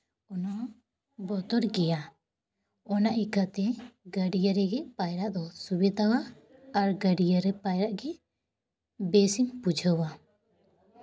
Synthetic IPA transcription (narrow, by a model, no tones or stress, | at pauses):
ɔnɔ | bɔt̪ɔɽɡɛja | ɔnaʔikat̪ɛɡəɖijəɾɛɡɛpajɾaʔd̪ɔsubɛd̪awaː | ɾɡəɖijəɾɛpajɾaʔɡɛ | besiŋpud͡ʒʱəwa